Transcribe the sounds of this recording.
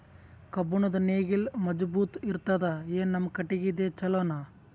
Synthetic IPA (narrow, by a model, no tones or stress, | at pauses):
kɐbuɳɐd̪ɐneːɡilmɐd͡ʒbuːt̪iɾt̪ɐd̪ɐeːnːɐmkɐʈːiɡid̪eːt͡ʃɐloːnaː